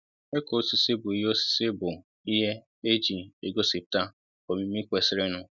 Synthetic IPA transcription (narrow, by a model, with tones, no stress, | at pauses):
e˦ko˨o˦si˨si˦bʊ˨i˦ɦe˦o˦si̥˦si˦bʊ˨ | i˦ɦe˦ | e˦d͡ʒi˨e˨ɡo˦si˨p̚ta˦ | ko˨mi˦mi˦kʷe˨sɪ˦ɾɪ˦nʊ˦